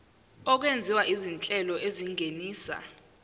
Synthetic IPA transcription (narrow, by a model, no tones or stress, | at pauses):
ɔk̬wend͡zʱiwaʔizint͡ɬʼɛlɔeziŋʱeniːsa̰